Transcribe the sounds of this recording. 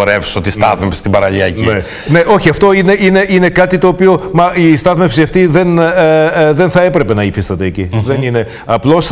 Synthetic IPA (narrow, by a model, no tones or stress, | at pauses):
oɾefsot̪ist̪ɐðmefsi̥st̪ibɐɾɐliɐcine | ne̞ʔo̞çiɐft̪o̞ine̞ine̞ine̞kɐt̪it̪o̞ːpio̞mɐist̪ɐðmefsiɐft̪iðe̞n | ðe̞nθɐe̞pɾe̞pe̞nɐifist̪ɐt̪e̞ːciðe̞nine̞ | ɐplo̞s